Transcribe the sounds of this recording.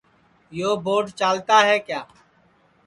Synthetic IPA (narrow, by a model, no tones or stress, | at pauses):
joːboːɖt͡ʃaːlt̪aːɦɛːkjaː